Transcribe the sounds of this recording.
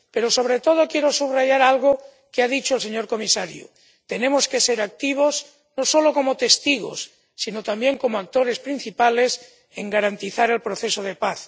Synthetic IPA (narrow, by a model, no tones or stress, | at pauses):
pe̞ɾo̞so̞β̞ɾet̪o̞ð̞o̞kjeɾo̞suβraʝaɾalɣ̞o | keaðit͡ʃoelse̞ɲo̞ɾko̞misaɾjṵ | t̪e̞nemo̞skeseɾak̚t̪iβ̞o̞s | no̞so̞lokomot̪e̞st̪iɣ̞o̰sː | inot̪ambje̞ŋko̞moak̚t̪o̞ɾe̞spɾin̟θipale̞s | eŋɡaɾant̪iθaɾe̞lpɾoθe̞soð̞e̞paθ